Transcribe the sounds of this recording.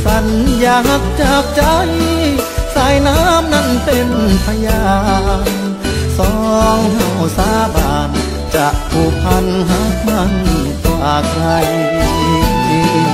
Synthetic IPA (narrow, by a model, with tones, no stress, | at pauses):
sa˧˩njaː˧˩ɦa˧˥t̚t͡ɕaː˧k̚t͡ɕa˧j | saː˧˥jnaː˦˥mna˧˥˨npe˧npʰa˧jaaː˧n | sɔː˧˦ŋha˧˩wsaː˧˥˩baː˨˩n | t͡ɕa˧˩ʔpʰuː˧˩pʰa˧nɦa˧˥˩ma˧˥nkːa˧˩kʰɾa˧j